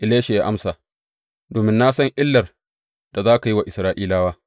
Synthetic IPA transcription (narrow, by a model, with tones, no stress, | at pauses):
ʔɪ˨leː˦ʃe˨jaː˦ʔa˦msaː˨ | doː˨mɪ˦nːa˦sɐ˦ŋʔɪ˦lːɐ˨r | d̥a˨zaː˦ka˨ji˦wa˨ʔɪ˨sɾaː˦ʔiː˦laː˦waː˦